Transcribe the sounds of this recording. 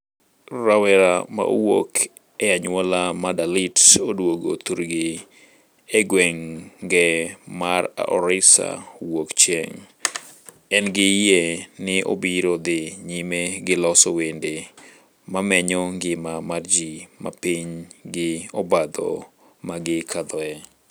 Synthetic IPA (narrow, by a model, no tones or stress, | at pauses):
rawɛɾama̰ʔo̰wok | ɛaɲʊwɔlamadalɪtodwoɡo̰t̪uɾɡɪ | eɡwɛŋɡɛmara̰ʔɔɾɪsa̰wokt͡ʃjɛ̰ŋ | ɛnɡɪjenɪʔo̰biɾod̪ɪɲimeɡɪlɔsowende | mamɛɲɔŋɡɪmamard͡ʒima̰piɲɡɪɔbad̪ɔ̰ | maɡɪkʰad̪ɔɛ